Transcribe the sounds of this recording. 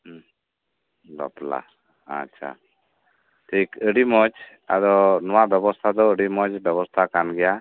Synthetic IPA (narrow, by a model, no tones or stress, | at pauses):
lɔ̰pla̰ | a̰tːʃʰa̰ | ʈʰikəɽimɔd͡ʒ | a̰d̪ɔnɔwabjɔbɔst̪ʰad̪ɔəɖimɔd͡ʒbjɛβɔst̪ʰakanɡɛja